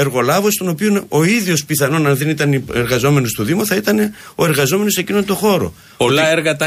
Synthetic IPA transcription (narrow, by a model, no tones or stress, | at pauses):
e̞ɾɣo̞lɐvo̞st̪o̞no̞pionoiðʝo̞spiθɐno̞nɐnðe̞nit̪ɐnieɾɣɐzo̞me̞nost̪uðimuθɐit̪ɐne̞o̞e̞ɾɣɐzo̞me̞no̞se̞cino̞nt̪o̞xo̞ɾo̞̰ | polɐeɾɣɐt̪ɐ